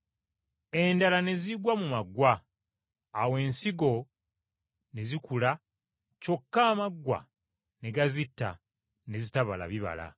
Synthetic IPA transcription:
e̞ndalane̞ziɡwamumaɡːwaː | we̞ːnsiɡo̞ | ne̞zikula | co̞kːaːmaɡːwa̰ | ne̞ɡazitːa̰ | ne̞zitaβala̰βiβa̰la̰

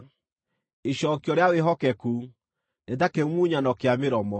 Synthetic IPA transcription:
eɕɔːkiɔɾeaweɦɔkɛku | netakemuɲanɔkeameɾɔmɔ

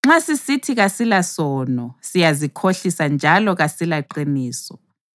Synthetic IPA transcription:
ŋ͡ǁasisitʰiɣasilasɔnɔsijazikʰoɬisand͡ʒʱalɔɣasilaǃiniːsɔ

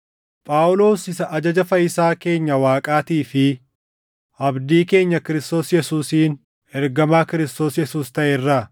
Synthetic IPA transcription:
pʼaːʔʊlo̞ːsɪsɐʔɐd͡ʒɐd͡ʒɐfɐjɪsaːke̞ːɲːɐwaːkʼaːt̪iːfɪ | ʔɐbd̪iːke̞ːɲːɐkɪɾɪst̪o̞ːsjɛsuːsiːn | ɛɾɡɐmaːkɪɾɪst̪o̞ːsjɛsuːst̪ɐʔɛrːɐ

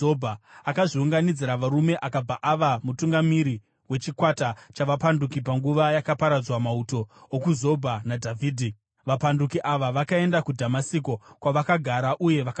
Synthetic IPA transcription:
obʱaakaʐiuŋɡanid͡ziɾaʋaɾume̞ʔakab͡vaʔaʋamutuŋɡamiɾi | we̞t͡ʃikwatat͡ʃaʋapandukipaŋɡuʋajakapaɾad͡zwamauto̞ːkuzo̞bʱanadʱavʱiːdʱi | ʋapandukiʔaʋaʋakae̞ndakudʱamasiko̞kwaʋakaɡʱaɾaʔuje̞ʋak

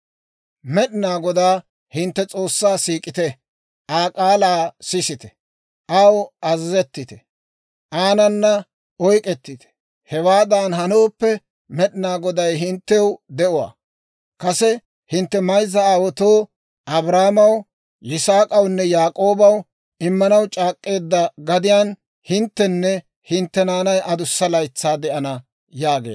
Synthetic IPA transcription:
mɛɗɪnaːɡɔd̪aː | hɪnt̪ːɛt͡sʼo̞ːsːaːsiːkʼɪt̪ɛ | ʔaːkʼaːlaːsɪsɪt̪ɛ̥ | ʔɐwɐzɐzɛt̪ːɪt̪ɛ | ʔaːnɐnːɐ | ɔjkʼɛt̪ːɪt̪ɛ̥ | hɛwaːd̪aːnɦɐnoːpːɛ | mɛɗɪnaːɡɔd̪ɐjɦɪnt̪ːɛwd̪ɛʔʊwa̰ː | kɐsɛ | hɪnt̪ːɛmɐjzːɐaːwɔt̪oː | ʔɐbɾaːmɐw | ʔɪsaːkʼɐwnːɛjaːkʼo̞ːbɐw | ɪmːɐnɐwt͡ʃʼaːkʼːe̞ːd̪ːɐɡɐd̪ɪjaːn | hɪnt̪ːɛnːɛ | hɪnt̪ːɛnaːnɐjʔɐd̪ʊsːɐlɐjt͡sːaːd̪ɛʔɐnɐ | jaːɡḛː

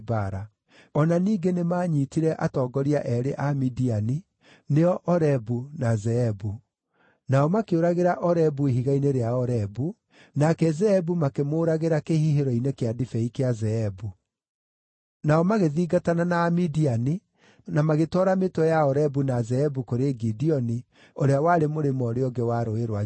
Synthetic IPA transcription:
baɾa | ɔnaniːɡenemaːɲiːtiɾɛʔatɔːɡɔɾiaʔɛɾeʔamidiani | neɔʔɔɾɛbunazɛɛbu | naɔmakeoɾaɣeɾaʔɔɾɛbueɦiɣaineɾeaɔɾɛbu | nakɛzɛɛbumakemoːɾaɣeɾakehiɦeɾɔinekeadifɛikeazɛɛbu | naɔmaɣeðiːɡatananaːmidiani | namaɣetɔɾametwɛjaɔɾɛbunazɛɛbukoɾeɡidiɔni | oɾeawaɾemoɾemɔɾeɔɡɛwaɾoeɾwa

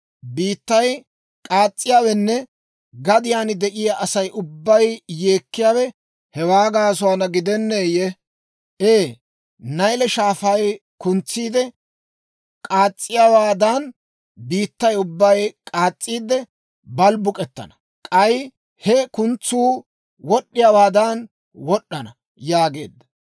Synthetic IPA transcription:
biːt̪ːɐj | kʼaːt͡sʼːɪjaːwɛnːɛ | ɡɐd̪ɪjaːnɪd̪ɛʔɪjaʔɐsɐjʔʊbːɐjje̞ːkːɪjaːwɛ | hɛwaːɡaːs̬ʊaːnɐɡɪd̪ɛnːeːjɛ | ʔeː | nɐjlɛʃaːfɐj | kʊnt͡sːiːd̪ɛ | kʼaːt͡sʼːɪjawaːd̪ɐn | biːt̪ːɐjʊbːɐjkʼaːt͡sʼːiːd̪ɛ | bɐlbʊkʼɛt̪ːɐ̰nɐ | kʼɐj | hɛkʊnt͡sːuː | wɔɗːɪjawaːd̪ɐn | wɔɗːɐnɐ | jaːɡe̞̰ːd̪ːɐ̥

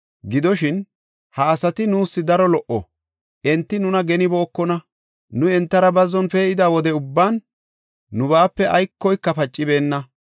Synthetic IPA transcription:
ɡɪd̪ɔʃɪn | hɐːsɐt̪ɪnuːsːɪd̪ɐɾɔlɔʔɔ | ʔɛnt̪ːɪnʊnɐɡɛnɪbɔːkːɔnɐ | nʊɛnt̪ːɐɾɐbɐzːɔnfɛːɪd̪aːwɔd̪ɛʊbːaːnː | ʊbaːpːɛʔɐjkːɔjkːɐfɐt͡ʃʼːɪbe̞ːnːɐ

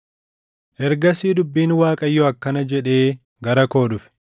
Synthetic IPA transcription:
ʔɛɾɡɐsiːd̪ʊbːiːnwaːkʼɐjːɔɐkːɐnɐd͡ʒɛᶑe̞ː | ɡɐɾɐko̞ːᶑʊfɛ̥

